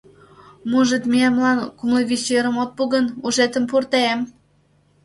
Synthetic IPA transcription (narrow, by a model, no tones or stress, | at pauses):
muʒət̪miemlɑnkumlevʲiseɾəmot̪̚puɣənuʒet̪əmpurt̪eem